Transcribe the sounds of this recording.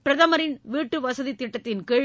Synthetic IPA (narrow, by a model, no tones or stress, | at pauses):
pɪɾɐðɐmɐɾɪnʋiːʈːɯʋɐsɐðit̪ːɪʈːɐt̪ːɪnkeː